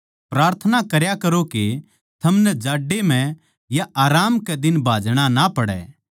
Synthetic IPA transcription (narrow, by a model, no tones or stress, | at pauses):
pɾaːɾt̪ʰənakɐɾjakɐɾoke | t̪ʰɐmnɛd͡ʒaːɖːem̤ɛ̃ | jaʔaːɾaːmkɛd̪ɪnbʱaːd͡ʒɽ̃anapɐɽɛ̰ː